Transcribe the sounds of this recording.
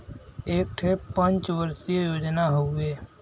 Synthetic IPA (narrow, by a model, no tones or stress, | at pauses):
eːk̚ʈʰepə̃nt͡ʃʋəɾsijejoːd͡ʒnaɦoeː